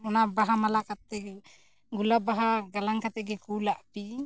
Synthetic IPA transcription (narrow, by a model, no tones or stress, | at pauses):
ɔnabaɦamalakat̪ɛ | ɡulabaɦaɡalaŋkat̪ɛɡɛkulaʔpi